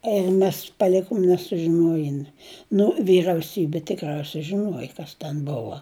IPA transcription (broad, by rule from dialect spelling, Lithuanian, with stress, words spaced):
ɪr ˈmʲɛs pɐˈlʲɪkoːm nʲɛsʊʒʲɪˈnoːjɪn nʊ ʋʲiːrɐʊˈsʲiːbʲɪ tʲɪkˈrɐʊsʲɛɪ ʒʲɪˈnuɔjɪ ˈkɐs tʲɛn ˈboːʋɐ